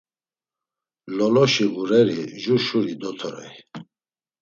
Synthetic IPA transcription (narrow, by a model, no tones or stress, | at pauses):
lɔlɔʃiɣuɾɛɾiʒuʃuɾid̪ɔt̪ʰɔɾɛ̰i